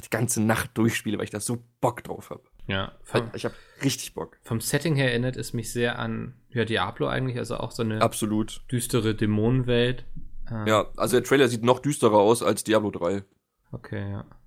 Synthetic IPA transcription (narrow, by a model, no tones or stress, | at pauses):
d̥iːɡ̥ant͡sənaχt̚d̥ʊɐçʃpiːləvaɪlɪçd̥aːzoːb̥ɔkd̥ʁa̰ʊfha̰ːbəjaːfamɪçhaːbəʁɪçtɪ̥çb̥ɔ̰kfɔmsɛtɪŋheːɐɛʔɪnɐtɛsmɪçz̥eːɐʔa̰njaːdiːʔa̰ːbloʔa̰ɪɡŋ̩tlɪça̰lzo̰ʔa̰ʊxz̥oːnəabz̥oluːtd̥yːstəʁədemoːnənvɛltʔɛːjaːʔa̰lzodeːɐtʁ̥ɛːlɐziːtnɔχd̥yːstəʁɐaʊsalsd̥iːʔaːblodʁaɪ | ʔokʰeːjaː